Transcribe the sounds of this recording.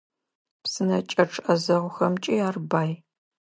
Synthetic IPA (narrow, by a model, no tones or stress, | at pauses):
psɨnɐt͡ʃʼɐʈ͡ʂʰʔɐzɐʁʷʊxɐmt͡ʃʼiaːrbaːj